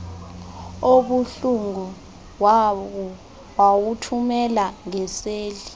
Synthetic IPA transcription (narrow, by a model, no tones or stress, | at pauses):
oɓuɬuŋu | wawutʰumɛlaŋɛseːli